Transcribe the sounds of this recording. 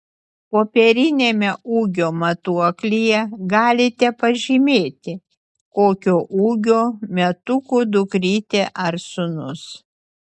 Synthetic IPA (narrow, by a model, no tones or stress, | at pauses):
poːpʲɛɾʲɪnʲeːmʲɛuːɡʲoːmɐt̪uɔklʲijɛɡɑːlʲɪt̪ʲɛpɐʒʲɪmʲeːt̪ʲɪ | koːkʲoːʔuːɡʲoːmʲɛt̪ʊkuːd̪ʊkɾʲiːt̪ʲeʔɐɾsʊnʊs